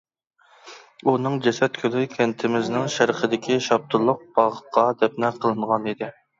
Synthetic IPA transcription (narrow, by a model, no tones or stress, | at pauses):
unɨŋd͡ʒɛsɛt̪̚kʲʰølɪkʲʰɛnt̪ʰɪmɪznɪŋʃæɾqʰəd̪ɪkʲʰiʃɑb̚t̪ʰʊlˠːʊq̚b̥ɑʁəqʰɑd̪ɛp̚nɛqʰəlˠɨɴʁɑnid̪ɪ